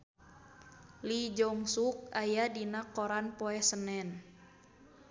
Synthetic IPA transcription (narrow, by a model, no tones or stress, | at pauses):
lid͡ʒɔŋsuk̚ajadinakɔɾanpɔɛsənɛn